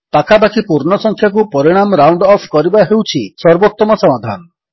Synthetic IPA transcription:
t̪akʰapakʰipuɾɳɔsɔŋkʰjak̬upɔɾiɽ̃amɔɾawɳɖɔpʰkɔɾibaɦewt͡ʃʰisɔɾbot̪ːɔmɔsɔmad̪ʱa̰nɔ

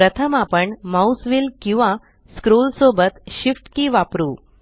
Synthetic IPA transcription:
pɾət̪ʰəmapəɳmausʋilkĩw̃ʋã | skɾolsobət̪ɕifʈkiʋapɾuː

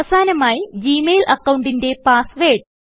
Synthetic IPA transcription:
ɐsaːnɐmaːjid͡ʑiːmeːlʔɐkːɐwɳɖinde̞paːsʋeːʈ

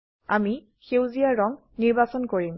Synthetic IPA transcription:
ami | xewzijaɹɔŋ | niɹbasɔnkoɹim

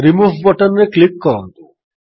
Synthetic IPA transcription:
ɾimuːʋbɔʈənːeklikːɔɾɔnt̪u

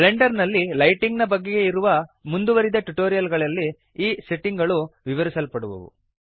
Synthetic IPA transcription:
leɳɖɐɾnɐlːilɐjʈiŋɡnɐbɐɡːe̞ɡe̞iɾuʋɐmund̪uʋɐɾid̪ɐʈuʈoːɾijɐlɡɐɭɐlːi | iːseʈiŋɡɐɭuʋiʋɐɾisɐlpɐɽuʋṵʋṵ

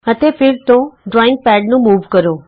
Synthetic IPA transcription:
ət̪epʰɪɾt̪õɖɾɔːɪ̃ŋɡ̚pɛːɖnũmuːʋkəɾoː

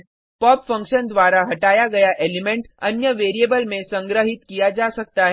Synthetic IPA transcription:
pɔːpfɐ̃ŋkʃənd̪ʋaːɾaɦɐʈaːjaɡɐjaʔeːlɪmẽɳʈɐnjəʋeːɾieːbəlmẽsɐ̃ŋɡɾəɦɪt̪kijad͡ʒaːsɐk̚t̪aɦɛ

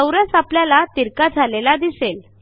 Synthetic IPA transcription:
əwɾəsapljalat̪iɾkad͡zʱalelad̪isel

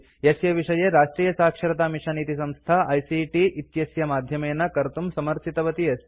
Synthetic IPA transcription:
jɐsjɐʋiʂɐjeːɾaːʂʈɾiːjɐsaːkʂɐɾɐt̪aːmiʂaniːt̪isɐmst̪ʰaːʔɐjsiʈiʔit̪jɐsjɐmaːd̪ʱjɐmeːnːɐkɐɾt̪umsɐmɐɾt̪ʰit̪ɐʋɐt̪ijɐs

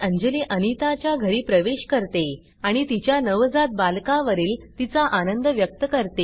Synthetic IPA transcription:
əɲd͡ʑəliʔənit̪at͡ɕjaɡʱəɾiːpɾəʋeɕkəɾt̪e | aɽ̃it̪it͡ɕjanəʋd͡zat̪̚balkaʋəɾiːlt̪it͡saʔanənd̪əʋjək̚t̪əkəɾt̪e

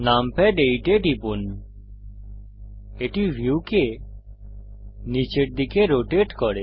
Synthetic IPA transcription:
nampɛɖeiʈeʈipun | eʈiʋʱuːke | nit͡ʃeʈ̚d̪ikʰeɾoʈeʈkɔɽe

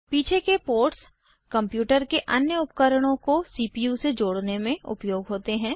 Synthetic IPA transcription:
piːt͡ʃʰekepoːɾʈs | kɐ̃mpjuːʈəɾkeʔɐnjəʊpkəɾəɽ̃õkosiːpijused͡ʒoːɽnemẽʊ̰pjoːɡɦoːt̪eɦɛ̃ː

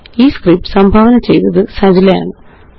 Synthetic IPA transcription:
iːskrip̚ʈɨ̥sɐmbʱaːʋɐnɐt͡ɕe̞jnɐðɨsɐd͡ʑilɐja̰ːɳɨ

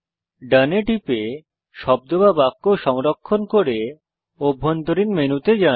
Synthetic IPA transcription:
ɖəneʈipe | ʃɔb̚d̪obabakːoʃɔmɾokʰːonkoɾe | obʱːont̪oɾinmenut̪ed͡ʑa

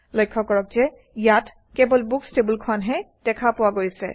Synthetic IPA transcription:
lojkʰːɔkɔɹɔk̚zɛ | ijat | kebɔlbukstebulkʰʊanɦɛd̥ɛkʰapʊwaɡojsɛ̰

